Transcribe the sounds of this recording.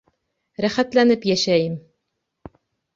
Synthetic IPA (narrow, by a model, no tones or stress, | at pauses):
ɾæχæt̪lænɘpjæʃæjɘm